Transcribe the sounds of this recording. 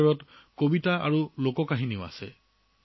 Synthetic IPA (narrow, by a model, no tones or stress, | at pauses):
ɔɹɔtkobitaa̰ɹulokɔkaɦiniʊa̰sɛ̰